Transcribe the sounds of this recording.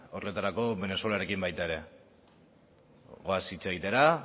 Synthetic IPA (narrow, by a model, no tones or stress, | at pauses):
orlet̪aɾako̞βe̞ne̞suelaɾe̞kimbajt̪aeɾe̞ | ɣo̞asit͡se̞ɣ̞it̪e̞ɾa